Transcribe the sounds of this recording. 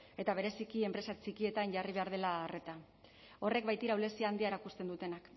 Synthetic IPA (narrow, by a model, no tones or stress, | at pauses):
e̞t̪aβ̞e̞ɾe̞sikie̞mpɾe̞sat͡ʃikie̞t̪anʝariβe̞aɾðe̞laːre̞t̪a | o̞re̞k̚bajt̪iɾawle̞siaːnd̪iaeɾakust̪e̞nd̪ut̪e̞nak